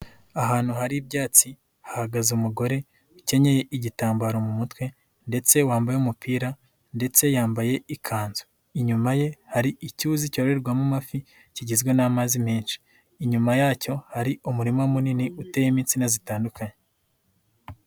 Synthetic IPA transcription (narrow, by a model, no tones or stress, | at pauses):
aɦaːn̥huɦaɾibjaːt͡si | hahaɡazumuɡo̞ɾe̞ | uce̞ɲe̞je̞ʔiɟitaːmbaɾo̞mumutwe̞ | nde̞t͡se̞waːmbajumupʰiːɾa | nde̞t͡se̞jaːmbaje̞ikʰaːnzo̥ | iɲumaje̞haɾiicuzico̞ːɾe̞ɾɡwamumafi | ciɟizɡwe̞namazimeːnʃi̥ | iɲumajaːco̞haɾiʔumuɾimamuniniutejimiːnt͡sinazitaːndukaɲe